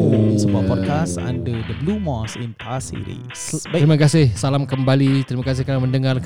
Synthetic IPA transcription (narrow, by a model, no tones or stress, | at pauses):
səbuapɔd̚kasa̰ndədəblumɔsĩnpʰasḭɾḭ | sbaɾimakasɪhsalamkəmbalit̪ɾimakas̬ɪhknaməndəŋar